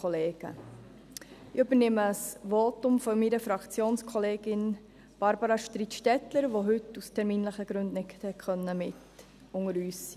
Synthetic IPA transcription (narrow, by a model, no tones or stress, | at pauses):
ɔleːɡ̥ə̰ | ɪybəɾnɪməsʋoːtʊmfɔmiɾəfɾɑkt͡sjoːnskʰɔleːɡ̥ɪn | b̥ɑɾbəɾɑʃtɾitʃtɛtləɾʋoɦʏtustʰɛɾmiːnləχəɡ̥ɾʉnd̥̪nɪthɛt̚kʰχœnːəmɪt | ʊŋəɾyːssi